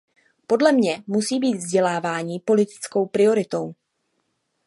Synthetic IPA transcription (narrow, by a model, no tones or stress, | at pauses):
po̞dlɛmɲɛmusiːbiːt̪vzɟɛlaːvaːɲiːpo̞lɪt̪ɪ̥t͡skowpɾɪo̞ɾɪt̪o̞w